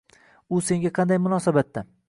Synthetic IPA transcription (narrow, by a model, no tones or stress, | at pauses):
ʊse̞ŋɡʲaqʰɑnd̪ajmʊnɒsabat̪ːa